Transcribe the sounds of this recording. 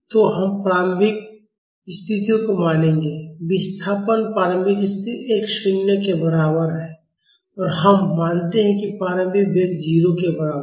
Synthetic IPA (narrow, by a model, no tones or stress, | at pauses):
t̪oɦɐmpɾaːɾmbʱɪk | ɪst̪ʰɪt̪ijõkomaːnẽːŋɡeːʋɪst̪ʰaːpənpaːɾə̃mbʱɪkɪst̪ʰieːkʃɪnjəkebɐɾaːbəɾɦɛː | ɔːɾɦəmmãːnt̪eɦɛ̃kipaːɾə̃mbʱikbʱeːkd͡ʒiːɾokebɐɾaːbə